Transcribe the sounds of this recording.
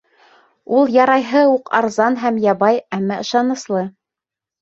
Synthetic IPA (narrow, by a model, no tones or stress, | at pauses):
ulˠjɑɾɑjɦɤuqɑɾzɑnɦæmjɑβɑjæmːɑɤ̆ʃɑnɤ̆slˠɤ